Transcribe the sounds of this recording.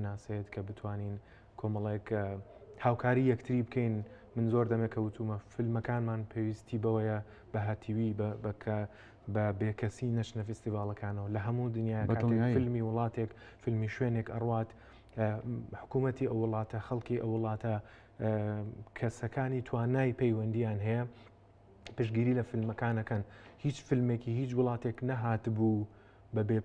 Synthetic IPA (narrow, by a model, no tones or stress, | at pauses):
naːsejet̪kʰɐbɨt̪ʰwaːnin | kʰo̞mɐlˠek | haːwkʰaːɾiːjɐkt̪ʰɨɾibɨkʰejn | mɨnzoːɾd̪ɐmekʰɐwɨt̪ʰumɐfɨlmɐkaːnmaːnpʰeːwist̪ʰibɐwɐjɐ | bɐɦat̪ʰiwibbkʰ | bɐbekʰɐsinɐt͡ʃnɐfɛst̪ivaːlɐkʰaːnɐwɐlɐɦɐmud̪ɨnjaːjɐkaːt̪ekfɨlmiwʊlˠɑːt̪ʰek | fɨlmiːʃweːnekɐ̰rwaːt̪ | ħʊ̥kuːmɐt̪ʰiʔɐwːʊlˠɑːt̪ʰɐxɐlˠkiʔɐ̰wːʊlˠɑːt̪ʰɐ | kʰɐsɐkʰaːnit̪ʰwaːnaːjpʰejwɐnd̪ijaːnɦɐjɐ | pɨʃɡiːɾilɐfɪlmɐkaːnɐkɐnhiːt͡ʃfɨlmekihiːt͡ʃwʊlˠɑːt̪eknɐɦaːt̪bu | bɐbe